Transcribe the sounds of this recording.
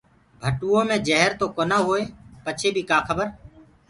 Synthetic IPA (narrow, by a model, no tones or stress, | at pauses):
bʱəʈuːõːmẽːd͡ʒəɦɾt̪oːkoːnaːɦoːeːpət͡ʃʰeːbʱiːkaːkʰəbəɾ